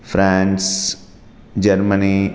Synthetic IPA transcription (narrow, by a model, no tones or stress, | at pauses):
fɾãns | d͡ʒəɾməni